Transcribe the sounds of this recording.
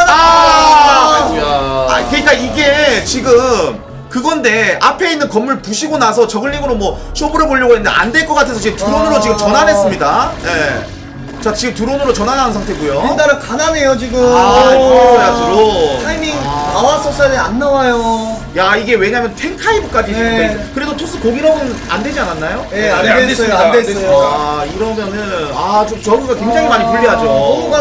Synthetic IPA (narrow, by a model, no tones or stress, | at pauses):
na | a̰kɯɲik͈aiɡe̞t͡ɕiɡɯm | kɯɡʌnde̞apʰe̞inːɯnkʌmːuɭpuɕʰiɡonasʰʌt͡ɕʌɡɯʎːimɯɾomwʌɕʰomuɾɯɭpoɭːʌɡoenndeʔa̰ndwe̞ɭk͈ʌk͈atʰe̞sʰʌt͡ɕiɡetuɾonɯɾot͡ɕiɡɯmt͡ɕʌnɦanɦe̞s͈ɯmɲidaje̞ | t͡ɕat͡ɕiɡɯmtuɾonɯɾot͡ɕʌnanaɯnsʰaŋtʰe̞ɡujoindaɾɯkanane̞jot͡ɕiɡɯ | jad͡ʑiɾotʰaimikawas͈ʌs͈ɯdɯanːawajo | jaiɡe̞we̞ɲaɦmjʌntʰe̞ŋkʰaibɯk͈ad͡ʑiekɯɾe̞sʰotʰos͈ʰɯkoɡiɾʌnɯna̰ndwe̞d͡ʑiananːajoeeadesoandesesiaiɾʌmjʌnɯnat͡ɕot͡ɕʌɡʰuɡakweŋd͡ʑaŋimaɲipuʎːiɦad͡ʑo